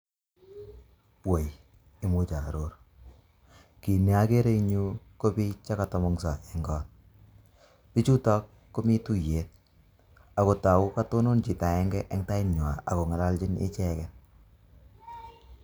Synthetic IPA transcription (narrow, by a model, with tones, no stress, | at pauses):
we˨j | ɪ˨˦mu˦t͡ʃa˨ɾo˦r | ki˨ne˨a˦ke˦ɾe˦iɲu˦ko˦pi˦t͡ʃa˦ka˨tɔ˨mɔ˦ŋsa˨ɛ˨ŋɡɔ˦n | pi˦t͡ʃu˦tɔ˦kːo˦mi˦tu˦je˨t̚ | a˨ko˨ta˨ʊ˦ka˦to˦no˦nt͡ʃi˨ta˨ɛ˦ŋɡɛ˦ʔɛ˦ŋta˦i˦ɲwa˨a̰˨ko˨ŋɛ˨la˦lt͡ʃɪ˦nɪ̰˦t͡ʃɛ˦kɛ˨